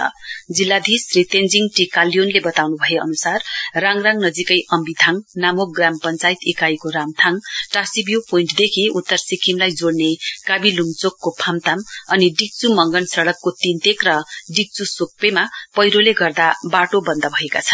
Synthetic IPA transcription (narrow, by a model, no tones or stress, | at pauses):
ʌ̰d͡zilːad̪ʱisrit̪end͡ziŋʈikalijonlebʌt̪awnubʱʌeʌ̰nusarraŋraŋnʌd͡zikʌjʔʌmbit̪ʰaŋnamok̚ɡrampʌnt͡sajt̪ekajkoɾamt̪ʰaŋʈasibjupoiɳʈd̪ekʰiut̪ːʌrsikʰimlajd͡zoɽnekabilumt͡sokːopʰamt̪amʌniɖik̚t͡sumʌŋɡʌnsʌɽʌkːot̪int̪ekrʌɖik̚t͡susok̚pemapʌjɾoleɡʌrd̪abaʈobʌnd̪ʌbʱʌekat͡sʰʌn